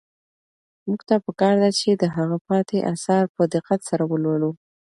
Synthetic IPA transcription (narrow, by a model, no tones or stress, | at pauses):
muɡt̪apəkɑɾd̪at͡ʃed̪əɦaɣapɑt̪eʔasɑɾpəd̪ɪqːat̪saɾawəlwalu